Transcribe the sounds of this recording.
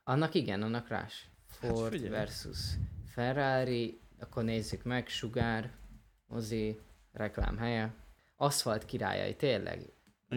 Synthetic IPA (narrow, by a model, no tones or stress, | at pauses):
ɒnːɒkiɡɛnɒnːɒkra̰ːʃ | forvɛrsṵsfɛraːɾiɒkːorneːzːykmɛɡʃuɡaːr | mo̰zi | rɛkla̰ːmɦɛjɛ | ɒst̪hɒlt̪kiɾa̰ːjɒ̰jḭt̪eːrlʔɛ̰ɡ